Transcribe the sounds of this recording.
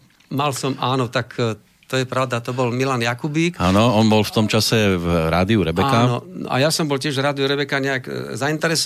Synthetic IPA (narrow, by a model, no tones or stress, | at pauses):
malsɔmaːnɔt̪ak | t̪ɔjɛpɾaʊd̪at̪ɔbɔlmilanjakubiːkanɔɔnbɔlft̪ɔmt͡ʃasɛvɾaːd̪iuɾɛbɛakːanɔnnɔ̰ʔa̰jasɔmbɔlcɪɛʒvɾaːd̪iuɾɛbɛkaɲɛaɡzaint̪ɛɾɛs